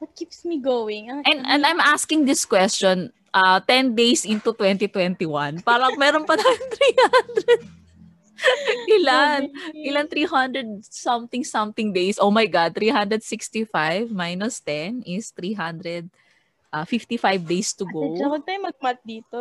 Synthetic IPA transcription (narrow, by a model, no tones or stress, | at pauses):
wɐt̪̚kipsmiɡowɪŋɐʔɛ̃nɛ̃nd̪ɐjmʔaskɪŋd̪ɪskwɛst͡ʃon | ʔɐt̪ɛnd̪ejsʔɪnt̪ut̪wɛnt̪it̪wɛnt̪ɪwãnpaːɾɐŋmɛːɾonpɐt̪aːjʊŋt̪ɾihand̪ɾɛd̪̚ | ʔɪlaʔɪlɐnt̪ɾiːɦɐnd̪ɾɛd̪̚sɐmt̪ɪ̃ŋsɐmt̪ɪŋd̪ejsʔowmajɡad̪̚t̪ɾiːɦãnd̪ɾɛd̪sɪkst̪ifajvmajnʊst̪ɛnɪst̪ɾiɦɐ̃nd̪ɾɛd̪̚ | ʔɐfɪft̪ifajvd̪ejst̪ʊɡowawɐɡ̚t̪aːjʊmɐɡ̚mat̪̚d̪iːt̪o